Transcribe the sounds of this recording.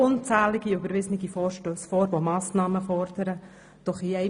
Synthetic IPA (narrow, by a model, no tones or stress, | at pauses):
ʊnt͡sæːlɪɡ̥iybəɾvɪznɪɡ̥ifɔːɾʃtøːsfɔːɾvomɑːsnɑːməfɔɾd̥əɾə | d̥ɔχiɛɪ